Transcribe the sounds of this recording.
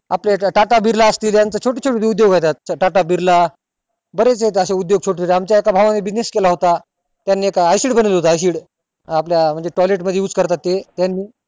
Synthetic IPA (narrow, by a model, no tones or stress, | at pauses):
a̰pleʈaʈabʱiɾlaəst̪iːljant͡sət͡ɕʰoʈet͡ɕʰoʈid̪eud̪joɡɦajt̪at̪̚ʈaʈabʱiɾla | bəɾet͡set̪əɕeud̪joɡ̚t͡ɕʰoʈet͡ɕʰoʈeamt͡ɕjaekabʱaʋaniːbineskelaɦot̪a | t̪janːiːekaːjsiːɽbənilɦot̪ajs̬iːɽː | pljam̤əɳd͡zeʈɔleʈməd̪ʱjeut͡skəɾt̪at̪ːet̪janːiː